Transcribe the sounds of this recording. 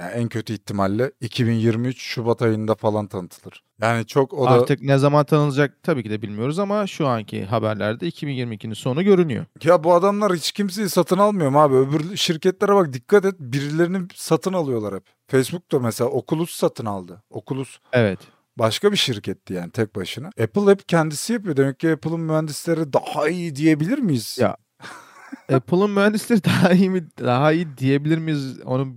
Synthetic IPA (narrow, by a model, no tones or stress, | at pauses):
ja̰æncʰøt̪ʰyit̪ʰːimalʲːɛicʰibinjiɾmiyt͡ʃʃubat̪ʰajɯnd̪afalˠant̪ʰanɯt̪ʰɯlˠɯɾ̥ | jaːnit͡ʃʰo̞koaɾɾt̪ʰɯknɛzamant̪ʰanɯlɯd͡ʒak̚t̪ʰabiːcʰid̪ɛbilʲmijo̞ɾuzamaʃuaɲcʰḭɦabæɾlʲæɾd̪ɛicʰibinjiɾmiːcʲʰinso̞nuɟø̞ɾynyjo̰jabuad̪amlˠaɾhit͡ʃcʰimsejisat̪ʰɯnalˠmɯjomaːbiøbyɾlʃiɾcɛt̪lʲɛɾabak̚d̪ikʰːat̪ɛt̪̚biɾilʲeɾinisat̪ʰɯnalˠɯjo̞lˠaɾhɛp | fejsbuk̚t̪amɛselʲaokʰulˠussat̪ʰɯnalˠd̪ɯo̞̰kʰulˠusevɛt̪ | baʃkabiʃiɾcʰɛt̪ʰːija̰ːnit̪ʰɛc̚baʃɯnaepɯlˠhɛpcʰænd̪isijapɯjo̞d̪emɛc̚ciepʰɯlˠɯnmyhænd̪islʲe̞ɾid̪ahaijid̪ije̞bilʲiɾmijiz̥ja̰ | epʰlˠɯnmyhænd̪islʲeɾid̪aɦaijimiaɦaijid̪ije̞bilʲiɾmijizo̰nu